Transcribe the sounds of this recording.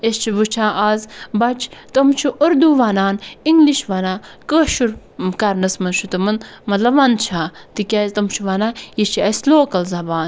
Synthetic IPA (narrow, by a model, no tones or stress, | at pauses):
est͡ʃʰibut͡ʃʰãːʔaːzbɐt͡ʃʰt̪ɐmt͡ʃʰuʔɐɾd̪uʋanaːniŋɡliʃʋanaːkəːʃuɾ | kɐɾnɐsmɐnʃut̪ɨmɐnmɐt̪lɐbʋɐnt͡ʃʰãːt̪ikʲaːzt̪ɐmt͡ʃʰuʋanaːjist͡ʃʰiɐsloːkɐlzɐbaːn